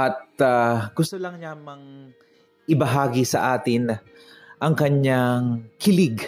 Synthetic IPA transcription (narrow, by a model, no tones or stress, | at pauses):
ʔɐt̪̚aɡ̥ʊst̪olɐŋɲamɐŋ | ʔɪbɐɦaːɡisɐ̰ʔaːt̪ɪn | ʔɐŋkɐɲaŋkɪlɪɡ